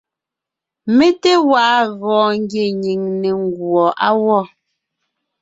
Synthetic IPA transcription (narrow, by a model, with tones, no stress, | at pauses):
me˦te˦wa˨˦ɣɔ̃ː˨ŋ˦ɡje˨ɲi˨ŋne˨ŋ˦ɡwɔ˨ʔa˦wɔ˦˨